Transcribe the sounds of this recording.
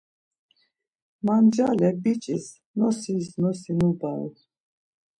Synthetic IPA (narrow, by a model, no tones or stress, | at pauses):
mand͡ʒalɛbit͡ʃʼiz | nɔsiznɔsinubaṵ